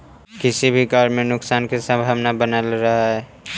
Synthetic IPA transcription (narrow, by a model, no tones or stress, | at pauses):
kɪsibʱiɡɔɾmẽnʊksaːnkesə̃mbʱaːʋnabənəlɾaɦaɦɛː